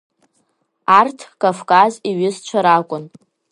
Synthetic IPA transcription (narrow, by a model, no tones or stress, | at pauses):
artʰkʼavkʼaziɥɪst͡ʃʷʰaɾakʷʼʊn